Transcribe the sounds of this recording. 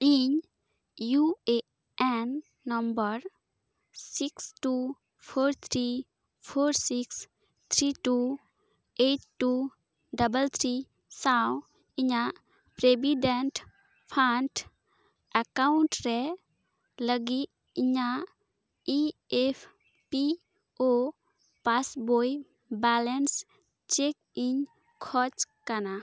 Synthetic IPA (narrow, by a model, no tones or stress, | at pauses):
iɲ | jue | ɛnː | əmbəɾ | siksʈu | pʰoɾt̪ʰɾi | pʰoːɾsiks | t̪ʰɾiʈu | eʈʈːu | ɖəbəlt̪ʰɾi | saw | iɲa | pɾebiɖenʈ | pʰanʈ | akawɳʈɾɛ | ləɡi | iɲa | iepʰ | pi | o | pasboj | bɛlens | t͡ʃek̚ | iɲ | kʰɔt͡ʃkana